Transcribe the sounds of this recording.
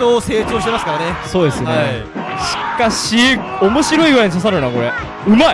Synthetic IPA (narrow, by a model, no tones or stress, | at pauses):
oːse̞ːt͡ɕo̞ːɕi̥t̪emasɨ̥kaɾaneso̞ːd̪esɨnnei | ɕi̥kaɕiomo̞ɕiɾo̞iɡɯ̟ɾaiɲisas̬aɾɯnako̞ɾe | ɯ̟mai